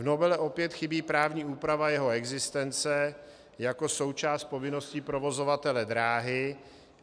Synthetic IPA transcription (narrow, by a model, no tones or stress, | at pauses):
vno̞bɛlɛʔo̞pjɛt̪xɪbiːpɾaːvɲiːuːpɾavajɛɦo̞ɛɡzɪst̪ɛnt͡sɛ | jako̞so̞wt͡ʃaːst̪̚po̞vɪno̞scipɾo̞vo̞zo̞vat̪ɛlɛd̪ɾaːɦɪ